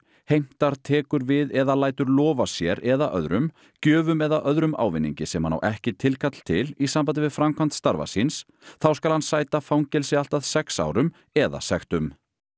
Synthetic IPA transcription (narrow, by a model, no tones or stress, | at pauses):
hejm̥t̪aɾ̥t̪ʰɛːkʏɾvɪðɛðalaːjt̪ʏɾlɔːvasjɛɾɛðaʔœ̰ðɾʏm | cœːvʏmɛðaʔœðɾʏma̰ːwvɪnːḭɲcɪsɛmhanːa̰wʔɛhcɪt̪ʰɪlkʰat̪l̥t̪ʰɪlisampajt̪̬ɪvɪðfɾamkʰvan̥t̪st̪aɾva̰sins | θawskalhansaːjt̪afawŋcɛlsɪal̥t̪aðsɛksa̰ːwɾʏm | ɛða̰sɛxt̪ʏm